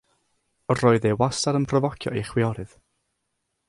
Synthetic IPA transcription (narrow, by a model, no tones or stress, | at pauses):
roːɨðewastaɾənpʰrɔvɔkʰjɔ̰eχwɪɔɾɨð̥